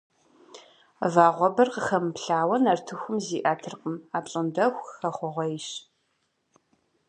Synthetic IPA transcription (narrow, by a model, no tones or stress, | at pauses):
vaːʁʷɔbɐrqəχɐmpɬaːwɐnɐrtʰɨxʷʊmziːʔaːtʰɨrqəmaːpɕʼɨndɐxʷxɐχʷɔʁʷɐɪʃ